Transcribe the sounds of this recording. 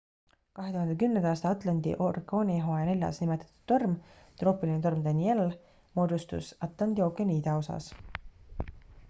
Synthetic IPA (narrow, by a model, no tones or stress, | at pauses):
kɑɦe̞t̪uhɑnd̪e̞kymnend̪ɑɑːst̪ɑɑt̪ˑlɑnd̪̥ḭʔorkoːnʲiɦo̞ene̞lʲjɑ̰snimɛt̪ːˑɑ̥t̪ːˑu̥d̪̥ːo̞rmt̪ro̞ːpˑilinet̪o̞rmd̪̥ɑnie̞l | mo̞ːd̪ust̪ṵsɑt̪ːˑlɑnd̪io̞kːˑeniːd̪ɑo̞sɑ̰s